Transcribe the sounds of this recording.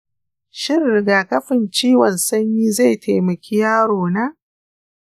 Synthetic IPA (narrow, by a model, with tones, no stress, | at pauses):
ʃɪ˦rːɪ˨ɡaː˨kɐ˦ɸɪ˨nt͡ʃiː˦wɔ˨nsɐ˦ɲjiː˦za˦˨jtʰa˨jmɐ˨kʲʰi˦jaː˦ɽoː˨naː˦